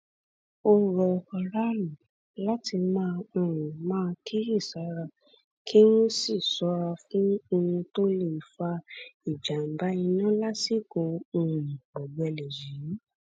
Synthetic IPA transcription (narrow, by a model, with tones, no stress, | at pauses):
o˦ɾɔ˨ɔ˧ɾa˦lũ˨ | la˦ti˧mãː˦˧ũ˧ɾũ˨mãː˦˧kʰi˦ɾi˦˨sa˨˦ɾa˧ | kʰi˦nũ˦si˦˨sɔ˧˦ɾa˧fũ˦o˧ũ˧to˦le˨fa˧i˨d͡ʒa˨m̩˨ba˨˦i˧nã˦la˦si˦˨ɡo˧ũ˧ɾũ˨bɔ˨ɡ͡bɛ˧lɛ˨ji˨˦